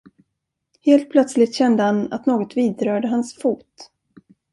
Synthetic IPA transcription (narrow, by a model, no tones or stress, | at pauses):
heːlt̪̚pʰlœt̪slɪt̪ɕɛnd̪əhana̰t̪noːɡɔt̪viːd̪ɾœːɖəɦansfuːt̪